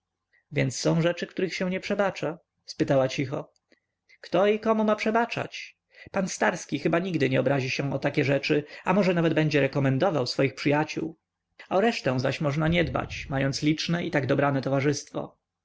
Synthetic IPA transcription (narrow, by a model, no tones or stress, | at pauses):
vʲjɛnt̪ssːɔ̃w̃ʐɛt͡ʂɘkt̪uɾɘxɕɛ̃w̃ɲɛpʂɛbat͡ʂa | spɘt̪awat͡ɕixɔ̰ | kt̪ɔikɔmumapʂɛbat͡ʂa̰t͡ɕ | panst̪aɾskʲixɘbaɲiɡd̪ɘɲɛɔbɾaʑiɕɛ̃ɔt̪akʲɛʐɛt͡ʂɘamɔʐɛnavɛd̪̚bɛɲd͡ʑɛɾɛkɔmɛnd̪ɔvawsfɔjixpʂɘjat͡ɕṵw | ɔɾɛʂt̪ɛ̃w̃zaɕmɔʐnaɲɛd̪ba̰t͡ɕmajɔnt̪slʲit͡ʂnɛʔit̪aɡd̪ɔbɾanɛt̪ɔvaʐɘst̪fɔ̰